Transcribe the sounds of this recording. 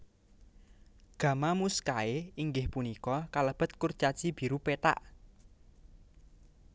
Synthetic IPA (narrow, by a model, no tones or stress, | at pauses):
ɡ̥ä̤mamuskaeiŋɡɪhpunikɔkaləb̥ə̤t̪̚kurt͡ʃḁt͡ʃib̥i̤ɾupet̪a̰ʔ